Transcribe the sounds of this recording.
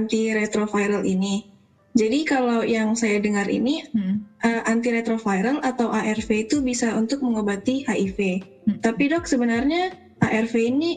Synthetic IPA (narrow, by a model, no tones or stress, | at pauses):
ant̪iɾet̪ɾofajɾalini | d͡ʒadikalawjaŋsajadəŋarʔḭniʔəʔant̪iɾet̪ɾofajɾalat̪awʔaʔɛrfeit̪ubisaunt̪ʊk̚məŋobat̪ihaʔife | t̪apidɔk̚səbənarɲa | ʔaʔɛrfeini